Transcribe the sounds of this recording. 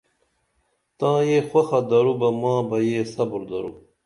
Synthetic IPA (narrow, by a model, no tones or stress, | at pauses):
t̪ãːjeːxwɐxɐd̪ɐɾubɐmãːbɐjeːsɐbuɾd̪ɐ̰ɾṵ